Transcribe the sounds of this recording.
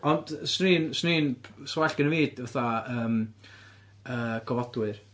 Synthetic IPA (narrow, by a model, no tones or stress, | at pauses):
ɔnd̥sniːnsniːnʰswaɬɡ̥ənəviːd̥vaθaəːm | əɡ̥ʰɔvɔdwɨr